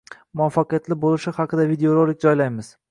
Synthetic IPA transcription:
mʊafːɑqɨjat̪lɪbolˠɪʃɪhɑqʰɨd̪avid̪eoɾˠolˠɪk̚ʲd͡ʒɒjlajmɪz̥

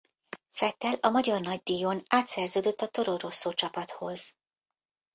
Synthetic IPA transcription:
fɛt̪ɛlɒmɒɟɒrnɒɟ̚d̪ijonaːt̪sɛrzøːd̪ø̞t̪ːɒt̪o̞ɾoro̞sːoːt͡ʃɒpɒt̪ho̞z̥

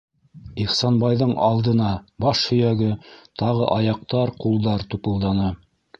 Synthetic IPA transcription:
iχsɑnbɑjðɤɴʔɑ̰lˠd̪ɤ̆nɑbɑʃhɵ̆jæɡɘt̪ɑʁɤ̰ʔɑjɑq̚t̪ɑɾqulˠd̪ɑɾt̪upɤ̆lˠd̪ɑnɤ

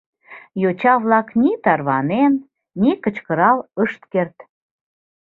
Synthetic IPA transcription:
jot͡ɕɑβlɑknit̪ɑrβɑnenː | ikə̆t͡ɕkəɾɑləʃt̪kert̪

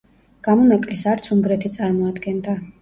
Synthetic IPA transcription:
ɡ̥amɔnakʼlisaɾt̪sʰuŋɡɾɛt̪ʰit̪sʼaɾmɔad̪ɡɛnd̪a

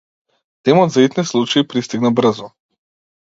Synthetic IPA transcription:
t̪ɛmɔd̪zait̪nɛslˠut͡ʃaipɾist̪iɡnabr̩zɔ

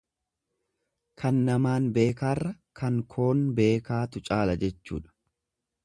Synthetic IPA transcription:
kʰɐnːɐmaːnbe̞ːkaːrːɐ | kʰɐŋkʰo̞ːnbe̞ːkaːt̪ʊt͡ʃʼaːlɐd͡ʒɛt͡ʃːṵːᶑɐ̥

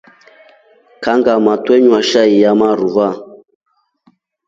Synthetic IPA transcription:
kaŋɡamatwɛɲwaʃaijamaɾuva

